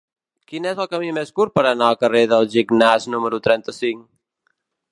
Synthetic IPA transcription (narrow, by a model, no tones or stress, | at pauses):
kinɛzəlˠkəmimeskuɾ̚pəɾənaəlˠkəreðəlˠʒiɡnaznuməɾut̪ɾɛnt̪əsiŋ